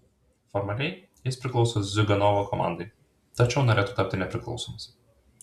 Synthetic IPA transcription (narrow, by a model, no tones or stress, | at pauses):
fɔɾmɐlʲɛɪ | jɪspʲɾʲɪklˠɒʊsozʲʊɡʲɐnɔʋokɔmɑ̰ˑnd̪ɐɪ | t̪ɐt͡ʃʲɛʊnoːɾʲeːt̪ʊt̪ɐˑp̚ʲt̪ʲɪnʲɛpʲɾʲɪklˠɒ̰ʊsomɐs